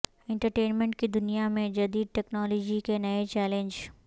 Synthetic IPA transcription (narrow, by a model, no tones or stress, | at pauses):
ɪ̃ɳʈəɾʈeːnmẽɳʈ̚kid̪ʊnijamẽd͡ʒɐd̪iːd̪̚ʈɛːknɔːloːd͡ʒikenɐet͡ʃɛːlẽɲd͡ʒ